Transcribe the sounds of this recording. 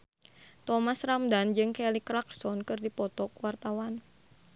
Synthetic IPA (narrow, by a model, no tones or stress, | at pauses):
t̪ɔmasramd̪and͡ʒɨŋkɛlikɾak̚sɔnkɨrdipɔt̪ɔkwart̪awan